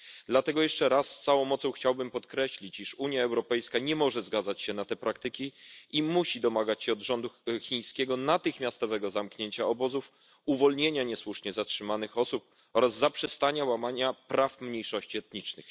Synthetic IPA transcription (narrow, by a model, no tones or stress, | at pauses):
d̪lat̪ɛɡɔjɛʂt͡ʂɛɾasːt̪sawɔ̃w̃mɔt̪sɔ̃w̃xt͡ɕawbɘmpɔt̪kɾɛɕlʲit͡ɕiʂuɲjaɛwɾɔpɛjskaɲɛmɔʐɛzɡad̪zat͡ɕɕɛnat̪ɛpɾak̚t̪ɘkʲiimuɕid̪ɔmaɡat͡ɕɕɛɔd̪ʐɔnd̪uxʲij̃skʲɛɡɔnat̪ɘxmʲjast̪ɔvɛɡɔzamkɲeɲt͡ɕaɔbɔzuf | uvɔlɲeɲaɲɛswuʂɲɛzatʂɘmanɘxɔsup̚ | ɔɾazːapʂɛst̪aɲawamaɲapɾafmɲejʂɔɕt͡ɕiɛt̪ɲit͡ʂnɘ̰x